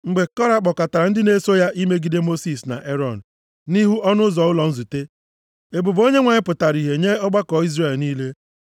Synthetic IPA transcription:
ŋ͡m̩˨ɡ͡be˨kɔ˦ɾa˨k͡pɔ˨ka˨ta˨ɾa˨n̩˦dɪ˦ne˦so˦ja˦ʔi˦me˦ɡi˦de˦mo˦si˨sna̰˨ʔe˦ɾɔ˨n̩˨ | ni˦ɦu˦ʔɔ˦nʊ˦zɔ˨ʊ˦lɔ˨n̩˦zu˨te˦ | e˨bʊ˨bo˦ɲe˦ŋʷa˨ɲɪ˦pʊ˨ta˨ɾi˨ɦe˨ɲe˦ɔ˦ɡ͡ba˦kɔ˨˦i˦zre˦˨lniː˦le˦

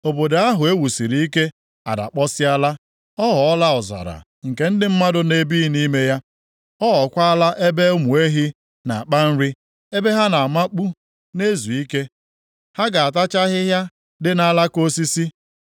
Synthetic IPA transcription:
o˨bo˨da˨a˦ɦʊ˨e˦wu˨si˨ɾi˨i˦ke˦ | a̰˨da̰˨k͡pɔ˦sɪ˦a˦la˦ | ɔ˦ɦɔ˨ɔ˦la˦ɔ˨za̰˨ɾa̰˨ | ŋ̩˨ke˨˦n̩˦dɪ˦m̩˦ma˦dʊ˦ne˦bi˦ni˦me˦ja˦ | ɔ˦ɦɔ˨kʷa˦a˦la˦ʔe˦be˦o˦mu˨e˦ɦi˦ | na˨a˨k͡pa˦n̩˦ɾi˦ | e˦be˦ɦa˦na˨a˨ma˦k͡pu˦ | ne˦zu˨i˦ke˦ | ha˦ɡa˨a˨t̬a˦t͡ʃa˦ɦɪ˦ɦja˦ | dɪ˦na˦la˦ko˦si˦si˦

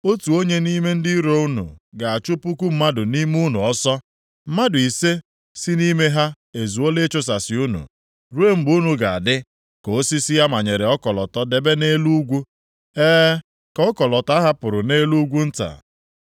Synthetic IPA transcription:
o˦tu˨o˦ɲe˦ni˦me˦n̩˦dɪ˦ɾo˦u˦nṵ˨ɡa˨a˨t͡ʃʊ˦pu˦ku˦m̩˦ma˦dʊ˨ni˦m˦u˦nu˨ɔ˦sɔ˦ | m̩˦ma˦dʊ˨i˨se˦ | si˦ni˦me˦ɦa˦ | e˨zu˨o˦le˦t͡ʃʊ˦s̬a˨sɪ˨u˦nṵ˨ | ɾu˦e˦m̩˦bu˨˦nu˨ɡa˨a̰˨dɪ˦ | ko˨o˦si˦si˦ja˦ma˨ɲe˨ɾe˨ɔ˦kɔ˨lɔ˨tɔ˦de˨be˦ne˦lu˦ɡʷu˦ | eː˦ | kɔ˦kɔ˨lɔ˨ta˦ɦa˦pʊ˨ɾʊ˨ne˦lu˦ɡʷu˦n̩˦ta̰˨

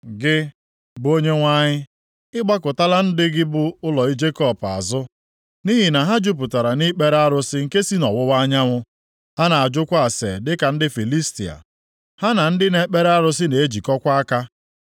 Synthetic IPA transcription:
ɡɪ˦ | bʊ˨˦o˦ɲe˦ŋʷa˦ɲɪ˦ | ɪ˦ɡ͡ba˦kʊ˨ta˦la˦n̩˦dɪ˦ɡɪ˦bʊ˦ʊ˦lɔ˨i˦d͡ʒe˦kɔ˦˨pa̰˨zʊ˦ | ni˦ɦi˨na˨ɦa˦d͡ʒʊ˦p̬ʊ˨ta˨ɾa˨ni˦k͡pe˦ɾa˦ɾʊ˦sɪ˦ŋ̩˨ke˦si˦nɔ˨wʊ˦wa˦ɲa˦ŋʷʊ˦ | ha˦na˨a˨d͡ʒʊ˦kʷa˦a˨sḛ˨dɪ˦ka˨n̩˦dɪ˦fi˨li˦sti˨a̰˨ | ha˦na˨n̩˦dɪ˦ne˦k͡pe˦ɾa˦ɾʊ˦sɪ˦ne˨e˦d͡ʒi˨kɔ˦kʷa˦ka˦

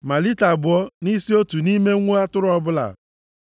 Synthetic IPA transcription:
ma˨li˦ta˨bʊ˨ɔ˦ni˦si˦o˦tu˨ni˦me˦ŋʷu˦a˦tʊ˦ɾʊ˦ɔ˦bʊ˦la̰˨

